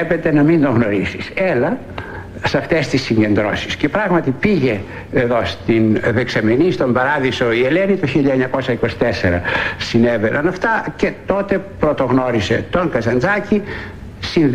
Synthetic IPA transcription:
pet̪e̞nɐmind̪oɣno̞ɾisiselɐ | sɐft̪est̪isːiɲɟe̞nd̪ɾo̞̰si̥sce̞pɾɐɣmɐt̪ipiʝe̞ː | ðo̞st̪inðeksɐmenist̪o̞mbɐɾɐðiso̞ie̞lenit̪oçiʎɐeɲɐko̞sɐiko̞si̥t̪eseɾɐ̰sinevenʔɐnɐft̪ɐce̞t̪o̞t̪e̞pɾo̞t̪o̞ɣnoɾise̞̰t̪o̞ŋkɐzɐnd͡zɐci | sin

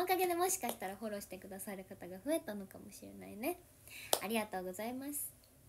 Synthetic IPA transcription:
okaɡe̞d̪e̞mo̞ɕi̥kaɕi̥t̪aɾaho̞ɾo̞ːɕi̥t̪e̞kɯ̟d̪asaɾɯ̟kat̪aɡaɸɯ̟e̞t̪ano̞kamo̞ɕiɾe̞̰na̰ine̞ | aɾʲiɡat̪o̞ːɡo̞zaimasɨ̥

